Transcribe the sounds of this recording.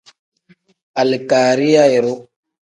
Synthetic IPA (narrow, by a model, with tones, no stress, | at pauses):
a˨lkaː˨ɾi˦ja˦e˨ɾo˦